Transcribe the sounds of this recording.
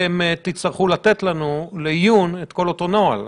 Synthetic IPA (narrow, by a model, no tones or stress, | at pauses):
emt̪it͡st̪aʁχulat̪e̞t̪lanulejunet̪ko̞lo̞t̪o̞noa̰l